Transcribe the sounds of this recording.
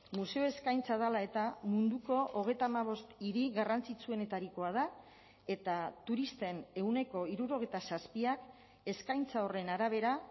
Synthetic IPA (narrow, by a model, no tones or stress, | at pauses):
muse̞o̞e̞skajnt͡sað̞alae̞t̪amund̪uko̞ʔoɣ̞e̞jt̪aːmaβ̞o̞st̪iɾiɣarant͡sit͡sue̞ne̞t̪aɾiko̞að̞a | e̞t̪at̪uɾist̪e̞ne̞wne̞ko̞iɾuɾo̞ɣ̞e̞jt̪asaspiak | e̞skajnt͡sao̞re̞naɾaβ̞e̞ɾa